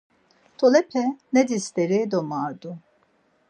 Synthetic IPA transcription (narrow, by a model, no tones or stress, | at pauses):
t̪ʰolɛpʰɛnɛd̪ist̪ɛɾed̪omaːɾd̪u